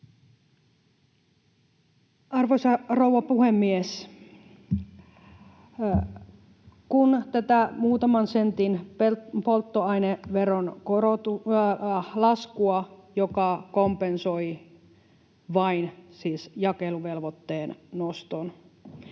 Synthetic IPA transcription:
ɑrʋoisɑrowːɑpuhemːies | kunt̪æt̪æmuːt̪ɑmɑnsent̪inpolt̪ːoɑineʋeronkoot̪u | lɑskuɑjokɑkompensoi | ʋɑinsiːsjɑkeluʋelʋot̪ːeːnnost̪on

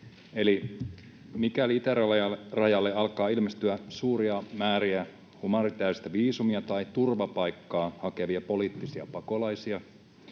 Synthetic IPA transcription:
eli | mikæliit̪ærɑrɑjɑlːeɑlkɑːilmest̪yæsuːɾiɑmæːɾiæ | humɑrit̪æːst̪æʋiːsumiɑt̪ɑit̪urʋɑpɑjkːɑːhɑkeʋiɑpoliːt̪ːisiɑ̰pɑko̞lɑjsiɑ

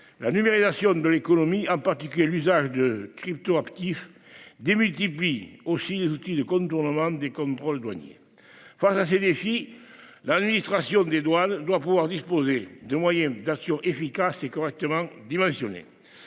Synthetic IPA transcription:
lanymeʁizasjɔ̃d̪əlekonomiɑ̃paʁt̪ikyjelyzaʒəd̪əkχip̚t̪oapt̪if | d̪emylt̪ipliosilezut̪id̪əkɔ̃nt̪uʁnəmɑ̃d̪ekɔ̃nt̪χɔld̪wa̰ɲjḛ | fasased̪efi | lad̪minist̪χasjɔ̃d̪ed̪wand̪wapuvwaʁd̪ispozed̪əmwajɛ̃d̪aksjɔ̃ʔefikasekɔʁɛk̚t̪əmɑ̃d̪imɑ̃sjɔnḛ

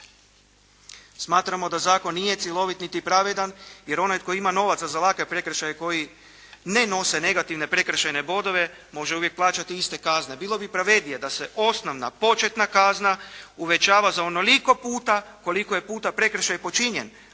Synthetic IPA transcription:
smaːt̪ɾamo̞d̪azaːko̞nːije̞t̪sʲjelˠo̞ʋit̪nit̪ipɾaʋed̪anjeɾo̞najko̞jiimano̞ʋat̪sazalakʋe̞pɾe̞kɾ̩ʃajeko̞ji | neno̞se̞ne̞ɡat̪iʋne̞pɾe̞kɾr̩ʃajne̞bo̞d̪o̞ʋe̞ | mo̞ʒeuʋje̞k̚plˠaːt͡ʃat̪iist̪e̞kazne̞biːlˠo̞bipɾaʋe̞d̪ijed̪aseʔo̞snoʋna̰po̞t͡ʃet̪nakaznauʋe̞t͡ʃaːʋazao̞noliko̞puːt̪ako̞liko̞je̞puːt̪apɾe̞kɾ̩ʃajpo̞t͡ʃiɲḛn

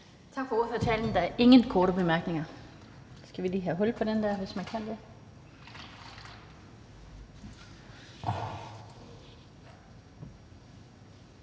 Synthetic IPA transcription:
t͡sʰɑ̈ɡ̥fɒoðˠføɐt͡sʰɛːln̩d̥ɑ̈æɐʔe̝ŋənkʰɒːɾəb̥e̝mæɐɡ̥ne̝ŋɐ | sɡ̥æʋilḭːɦæɦɔ̽l̰pʰɒ̽dend̥æɐ̰ʋe̝smænkʰæn̰d̥e̝

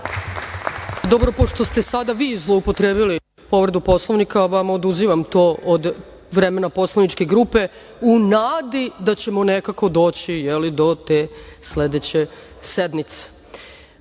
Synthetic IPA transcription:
d̪o̞bɾo̞po̞ʃt̪o̞st̪e̞sad̪aʋiːzlˠo̞upo̞t̪ɾeːbili | po̞ʋɾd̪upo̞slˠoʋnikaʋamod̪uziʋamt̪oːʔod̪ | ʋɾe̞me̞napo̞slˠaʋnit͡ʃke̞ɡɾuːpe̞ | unaːd̪id̪at͡ɕe̞mo̞nekako̞d̪o̞ːt͡ɕijelid̪o̞t̪e̞sle̞d̪et͡ɕe̞ | sed̪mit̪se̥

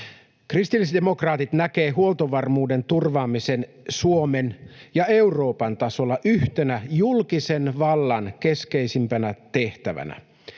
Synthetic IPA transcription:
krist̪ilːisd̪emokrɑːt̪it̪næke̞ːɦuolt̪oʋɑrmuːde̞nt̪urʋɑːmise̞n | suomenjɑe̞uro̞ːpɑnt̪ɑso̞lːɑʔyht̪enæjulkisenʋɑlːɑnke̞ske̞isimpænæt̪e̞ht̪æʋæ̰næ̰

